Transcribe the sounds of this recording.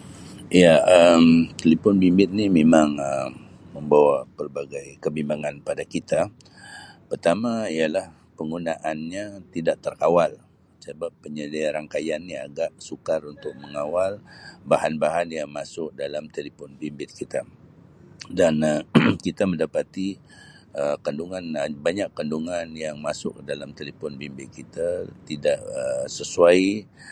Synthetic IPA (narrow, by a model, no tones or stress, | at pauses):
ijaəmt̪əlipɔnbimbɪt̪̚nimemaŋəmː | əmbawapərbaɡajkəbimbaŋanpadakit̪a | pərt̪amaijalah | pəŋɡunaʔanɲat̪idaʔt̪ərkawal | səbapːəɲədaaɾaŋkajanːia̰ɡaʔsukarunt̪ʊk̚məŋawalbahanbaɦanjaŋmasʊk̚dalamt̪əlipɔnbimbɪt̪̚kit̪a | dankit̪amə̃ndapat̪i | əkanduŋanbaɲakːanduŋanjaŋmasʊ̰k̚dalamt̪əlipɔnbimbɪt̪̚kit̪at̪idaʔəsəsuai